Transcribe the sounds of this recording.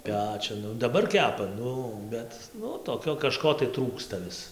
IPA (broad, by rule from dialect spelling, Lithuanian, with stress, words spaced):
ˈpʲæːt͡ʃʲʊn dɐˈbɐr ˈkʲæːpɐ ˈnʊ ˈbʲɛt nʊ toːˈkʲoː kɐˈʃkoː tɐɪ ˈtruːkstɐ ˈʋʲɪs